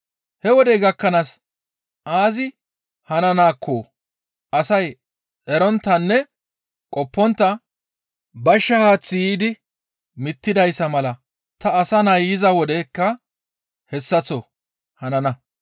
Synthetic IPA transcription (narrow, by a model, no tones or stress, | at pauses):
hɛwɔd̪ɛjɡɐkːɐnas | ʔaːzɪ | hɐnɐnaːkʰːoː | ʔɐsɐj | ʔɛɾɔnt̪ːɐnːɛ | kʼɔpːɔnt̪ːɐ | bɐʃːɐhaːt͡sːɪjiːd̪ɪ | mɪt̪ːɪd̪ɐjsːɐmɐlɐ | t̪ɐːsɐnɐjːɪzɐwɔd̪ɛkːɐ | hɛsːɐt͡sːɔ | hɐnɐnɐ